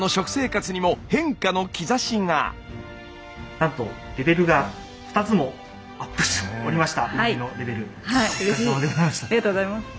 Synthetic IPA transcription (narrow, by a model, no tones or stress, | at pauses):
no̞ɕo̞kɯ̟̥se̞ːkat͡sɨɲ̟imo̞hẽ̞ŋkano̞kʲizaɕĩŋɡa̰ | nãnt̪o̞ɾe̞be̞ɾɯ̟ɡa | ɸɯ̟̥t̪at͡sɨmo̞ | apːɯ̟̥ɕoɾʲimaɕi̥t̪aainoɾe̞be̞ɾɯ̟haiɾeioad̪eɡozamaɕi̥t̪aaɾiat̪oɡozaimas